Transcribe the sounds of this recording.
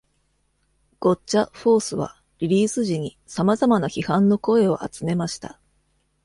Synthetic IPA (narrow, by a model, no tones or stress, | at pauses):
ɡ̥o̞t͡ɕaɸo̞ːsɨβa̰ | ɾʲiɾʲiːsɨʑiɲ̟i | samazamanaçihãnːo̞ko̞e̞o̞ʔa̰t͡sɨme̞maɕi̥t̪a